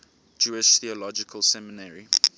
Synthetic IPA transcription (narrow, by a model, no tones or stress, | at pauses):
d͡ʒuɪʃθiəlɔd͡ʒɪkʰəlˠsɛmɪnɛɹi